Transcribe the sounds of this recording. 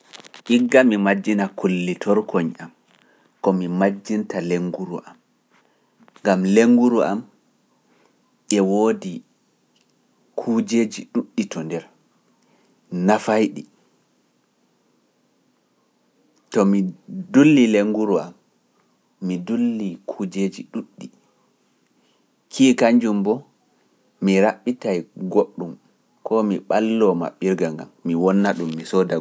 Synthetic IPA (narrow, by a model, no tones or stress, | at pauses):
ʔiɡːamimad͡ʒːinakulːitʰɔɾkʰɔɲam | kɔmimad͡ʒːintaleŋɡuɾṵʔam | ŋɡamleŋɡuɾuʔa̰m | ʔɛwoːdi | kʰuːd͡ʒeːd͡ʒiɗuɗːitɔndɛɾ | nafajɗi | tɔmidulːileŋɡuɾua̰mː | idulːikʰud͡ʒed͡ʒiɗuɗːi | kʰiːkaɲd͡ʒumbɔ | miɾaɓːitajɡoɗːum | kɔmiɓalːɔma̰ɓːiɾɡaŋɡa̰mːiwɔnːaɗumːisɔda